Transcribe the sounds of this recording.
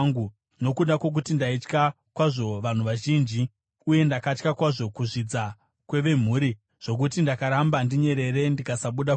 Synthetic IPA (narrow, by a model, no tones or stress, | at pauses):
ɡu | no̞kuɗakwo̞k̬utindait͡ʃka | kwaʐo̞ʋan̤uʋaʒiːnd͡ʒi | uje̞ndakat͡ʃkakwaʐo̞kuʐid͡za | kwe̞ʋe̞m̤uːɾi | ʐ̥o̞k̬ut̬indakaɾambandiɲe̞ɾe̞ɾe̞ndikasaɓuɗa